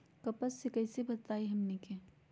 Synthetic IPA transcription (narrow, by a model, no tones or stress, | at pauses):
kɐpəsːekɐɪsebɐt̪aːiɦɐmneke